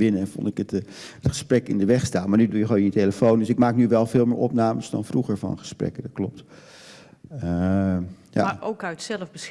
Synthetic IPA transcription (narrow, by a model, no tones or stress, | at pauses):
ɪnəɛnfɔ̰ndɪkət | ətχə̥sprɛkɪndəʋɛχstaːtmaːɹnydujəχʋonjəteləfowndɵsɪkmaːk̚nyʋɛlˠvɪːlˠmɪːɹʔɔ̰pnaːməsdɑ̰nfruχəɹvɑ̰nχə̥sprɛ̰kədɑt̚klɔp̚t | ə | ja̰owkaɥtsɛləfbəs